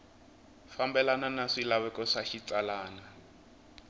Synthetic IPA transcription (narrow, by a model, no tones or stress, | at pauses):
fambɛlananaʂilaβɛkɔʂaʃit͡salaːna